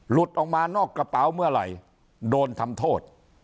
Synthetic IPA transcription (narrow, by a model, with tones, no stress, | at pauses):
lu˨˩t̪̚ʔɔː˨˩k̚maː˧nɔː˥˩kːa˧pa˩˦wmɯ˥˩ɐɾa̰˨˩j | doː˧nt̪ʰa˧mt̪ʰoː˥˩t̪̚